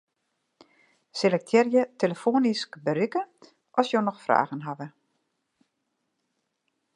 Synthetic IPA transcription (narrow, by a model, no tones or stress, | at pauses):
selɛk̚tʰjɪrjəteləfoːniskbəɾykə | ʔɔsjonɔxfra̰ːɣənɦaʋə